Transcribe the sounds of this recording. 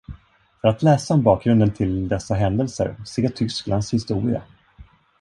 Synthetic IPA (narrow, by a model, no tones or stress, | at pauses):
fœɾat̪lɛːsaɔmbɑːk̚ɡɾɵnd̪ənt̪ʰɪld̪ɛsːaɦɛnd̪əlsə̰ɾseːʈʰʏsklanshɪst̪uːɾɪa̰